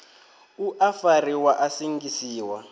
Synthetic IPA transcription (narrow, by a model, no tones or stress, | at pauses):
uʔafariwaʔasiŋɡisiːwa